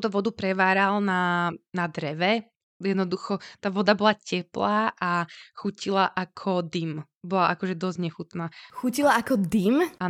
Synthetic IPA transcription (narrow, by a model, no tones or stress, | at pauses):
t̪ut̪ɔʋɔd̪upɾɛʋaːɾalnanad̪ɾɛʋɛ | jɛd̪nɔd̪uxɔt̪aːʋɔd̪abɔlacɛplaːʔaxucilaʔakʰɔd̪im | bɔlaʔakɔʒɛd̪ɔzɟɲɛxut̪naːxucilaakɔd̪ima